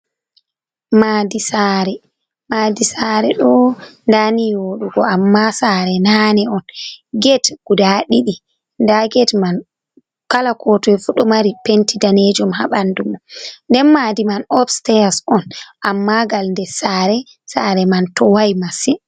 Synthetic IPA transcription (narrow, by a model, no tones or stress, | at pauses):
madisaɾɛ | maːdisaɾɛɗɔndaniwoɗuɡɔamːasaɾɛnanɛɔnɡɛtɡ̥udaɗiɗi | ndaɡɛtman | kalakʰɔtɔɛfuɗɔmaɾipentidaned͡ʒumhaɓandumɔndɛnmadimanɔfstɛasɔnʔamːaɡalndɛsaːɾɛ | saːɾɛmantɔwajmasi